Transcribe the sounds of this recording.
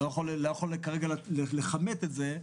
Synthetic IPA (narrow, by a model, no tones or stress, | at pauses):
ojaχo̞llojaχo̞lkaʁeɡalleleχamet̪etze